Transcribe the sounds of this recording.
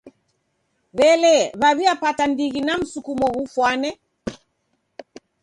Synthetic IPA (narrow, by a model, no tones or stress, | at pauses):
βɛlɛβaβiapatandiɣinam̩sukumɔɣufwanɛ